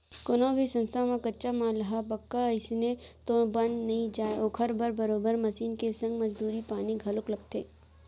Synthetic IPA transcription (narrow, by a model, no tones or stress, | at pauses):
konõbʱisɐ̃nst̪ʰamãkɐtːʃamãːlɐɦabɐkːaɪsnet̪obɐnnɐɦĩd͡ʒaːeoːkʰɐɾbəɾbɐɾoːbəɾmɐsiːnkesɐ̃ŋɡmɐd͡ʒd̪uːɾipaːniɡʱɐlʊklɐɡt̪eː